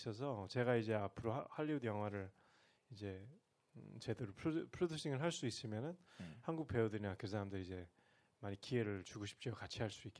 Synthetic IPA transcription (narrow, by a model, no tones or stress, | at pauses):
ʌs̬ʰʌt͡ɕe̞ɣaid͡ʑe̞apʰɯɾohaʎːiunjʌŋɦwaɾɯɭ | id͡ʑe̞ | t͡ɕe̞deɾopʰpʰɾodʰuɕʰiŋɯɭɦaɭs͈uis͈ɯmjʌnɯnhanɡuk̚p͈e̞udɯɾinakɯs̬ʰaɾamdɯɾiid͡ʑe̞ | maɲikie̞ɾɯɭt͡ɕuɡuɕʰi̥p̚t͡ɕ͈okat͡ɕʰiɦaɭs͈ik͈e